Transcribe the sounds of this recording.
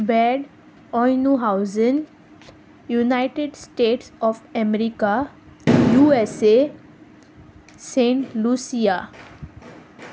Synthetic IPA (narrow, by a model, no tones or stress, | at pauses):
bɛɖ | ɔjnuɦaʊzə̃n | junaɪʈeɖsʈeːʈsɔːfɛmeɾika | juːese | sẽɳʈlusija